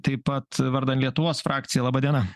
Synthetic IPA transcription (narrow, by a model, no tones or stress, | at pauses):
t̪ɐɪpɐt̪ʋɐɾd̪ɐnt̪lʲiɛt̪ʊʋoːsfɾʔɑːkt̪sʲɪjɛlˠɑːbɐd̪ʲiɛnɐ